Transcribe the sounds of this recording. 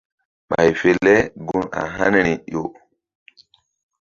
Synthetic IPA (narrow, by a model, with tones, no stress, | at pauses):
ɓa˨jfe˨lːɛ˦ɡu˦na̰˨ɦa˦n˦ɾi˨jo˨